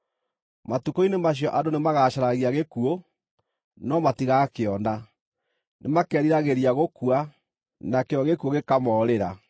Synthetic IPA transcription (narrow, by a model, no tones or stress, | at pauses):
matukoinemaɕ̬jɔʔadonemaɣaɕaɾaɣiaɣekuo | nɔmatiɣakeɔna | nemakɛːɾiɾaɣeɾiaɣokuwa | nakeɔɣekuoɣekamɔɾeɾa